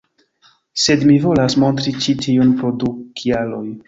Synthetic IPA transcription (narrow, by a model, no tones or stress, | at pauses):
se̞dmivo̞lasmo̞ntɾit͡ʃitʰiunpɾo̞dukʰialo̞j